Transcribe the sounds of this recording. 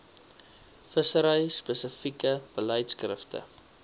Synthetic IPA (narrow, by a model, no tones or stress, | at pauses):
fəsəɾəjspəsəfikəb̥ələjtskrəftə̰